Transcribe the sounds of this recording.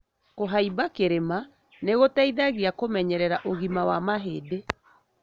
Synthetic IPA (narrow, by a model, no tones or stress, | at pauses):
koɦaibakeɾema | neɣotaiðaɣiakomɛɲɛɾɛɾaʔoɣimawamaɦede